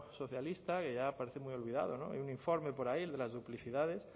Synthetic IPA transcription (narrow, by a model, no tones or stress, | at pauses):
so̞θjalist̪ake̞ʝapaɾeθemujolβiða̰ð̞o̞no̞̰ḛjunĩɱfo̞ɾme̞po̞ɾaild̪e̞lazðupliθiðað̞e̞s